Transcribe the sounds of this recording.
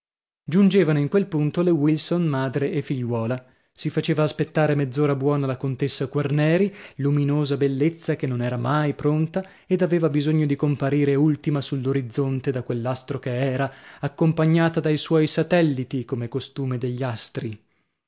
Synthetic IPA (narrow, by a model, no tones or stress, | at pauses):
d͡ʒund͡ʒeːvanoiŋkwelpunt̪olewilsonmaːd̪ɾeːfːiʎːwɔːla | sifat͡ʃeːvaːspet̪ːaːɾemed̪zːoːɾabwɔːnalakont̪esːakwarnɛːɾiluminoːzabelːet̪sːakenːonɛːɾamajpɾont̪a | ed̪aveːvabizoɲːod̪ikompaɾiːɾeult̪imasulːoɾid̪zːont̪ed̪akwelːast̪ɾokeɛːɾaakːompaɲːaːt̪ad̪ajswɔjsat̪ɛlːit̪ikomekost̪uːmed̪eʎːast̪ɾi